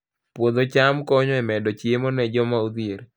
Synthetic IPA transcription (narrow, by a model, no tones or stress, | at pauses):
pwod̪ot͡ʃamkɔɲɔɛmɛdɔt͡ʃemɔnɛd͡ʒɔmaud̪ieɾ